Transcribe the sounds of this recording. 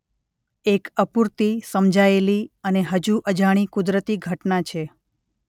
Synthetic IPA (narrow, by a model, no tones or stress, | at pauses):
ekəpuɾt̪isəmd͡ʒʱaeliəneɦəd͡ʒuʔəd͡ʒaɽ̃ikud̪ɾət̪iɡʱəʈnat͡ʃʰe